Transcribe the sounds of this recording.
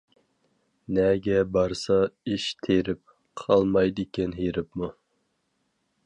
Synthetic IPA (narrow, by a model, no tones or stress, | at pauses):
nɛɡʲɛbɑɾsɑiʃt̪ʰeɾɪp̚ | qʰɑlˠmɑjd̪ɨkʲɪnɦiɾɪpmu